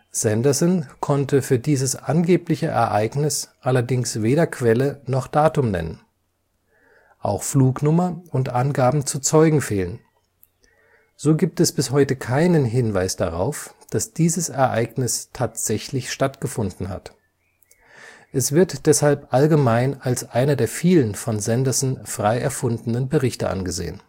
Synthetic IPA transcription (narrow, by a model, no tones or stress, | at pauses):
z̥ɛndɐzɔnkʰɔntəfyːɐdiːzəsʔanɡeːplɪçəʔɛ̰ɐʔaɪɡnɪsʔalɐdɪŋsveːɾɐkʰv̥ɛlənɔχd̥aːtʊmnɛ̰nə̰n | ʔa̰ʊxfluːknʊmɐʊntʔanɡaːbm̩t͡sut͡sɔʏɡŋ̩feːlən | z̥oːɡiːp̚tɛsb̥ɪshɔʏtəkʰaɪnənɦɪnvaɪsd̥aʁa̰ʊfd̥asd̥iːzəsɛɐʔaɪɡnɪstʰaːtz̥ɛçlɪçʃtatɡ̥əfʊndn̩ha̰t | ʔɛsv̥ɪɐtd̥ɛshalpʔalɡəmaɪnalsʔaɪnɐdeːɐfiːlənfɔnzɛndɐsn̩fʁ̥aɪʔɛɐfʊndn̩ənbəʁɪçtəʔa̰nɡəzḛːən